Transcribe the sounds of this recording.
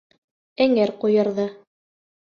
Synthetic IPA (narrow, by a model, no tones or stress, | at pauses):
æŋæɾqujɤ̆ɾðɤ